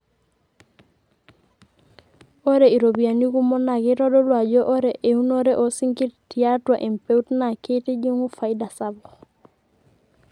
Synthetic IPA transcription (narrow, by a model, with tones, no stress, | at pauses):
oɾei˨ɾobi˨a˨ni˦ku˦mɔ˦na˨keɾo˦do˦lwa˨ɟoʔo˦ɾeʔeunoɾeʔo˨siŋki˦ɾtiatwa˨ʔe˨mpeutna˨ke˦te˦ɟi˦ŋufa˨ida˨sabɔ